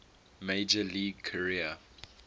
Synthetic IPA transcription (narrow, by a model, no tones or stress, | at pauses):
meɪd͡ʒəliːɡkʰəɹiə